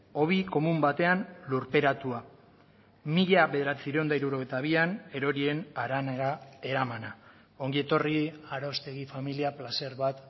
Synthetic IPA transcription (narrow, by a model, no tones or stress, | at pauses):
o̞βiko̞mumbat̪e̞anluɾpe̞ɾat̪ua | miʎaβe̞ðeɾat͡siɾend̪aiɾuɾo̞ɣ̞ejt̪aβ̞iane̞ɾo̞ɾie̞naɾaneɾae̞ɾamana | o̞ŋɡie̞t̪o̞riaɾost̪e̞ɣ̞ifamiliaplase̞ɾβat̪